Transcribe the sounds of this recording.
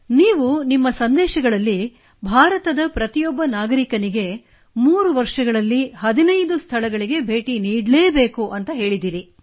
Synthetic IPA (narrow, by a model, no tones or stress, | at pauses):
niːʋunimːɐsɐnd̪ɛːʃɐɡɐɭɐlːi | bʱaːɾɐt̪ɐd̪ɐpɾɐt̪ijɔbːɐnaːɡɐɾikɐniɡe̞ | muːɾuʋɐɾʂɐɡɐɭɐlːiɦɐd̪inɐjd̪ust̪ʰɐɭɐɡɐɭiɡe̞bʱe̞ːʈiniːɽleːbe̞ːkuʔɐnt̪ɐɦe̞ːɭid̪iːɾi